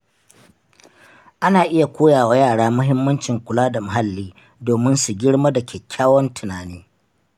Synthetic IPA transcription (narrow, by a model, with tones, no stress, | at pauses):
ʔa˦naː˨ʔɪ˦ja˨kʷoː˦jaː˨wa˦jaː˦˨ɽaː˦mʊ˦ɦɪ˦mːɐ˦nt͡ʃɪ˨ŋkʷʊ˨laː˦da˨mʊ˨ɦa˦lːiː˦ | doː˨mɪ˦nsu˨ɡʲɪ˦ɽma˦da˨kʲʰeː˨kʲʰːaː˦wɔ˦ntʊ˨naː˨niː˦